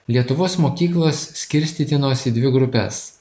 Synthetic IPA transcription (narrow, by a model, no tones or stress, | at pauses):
lʲiɛt̪ʊʋoːsmoːkʲiːklˠoːssʲkʲɪɾʲsʲt̪ʲiːt̪ʲɪnoːsʲid̪ʲʋʲɪɡɾʊpʲɛ̰s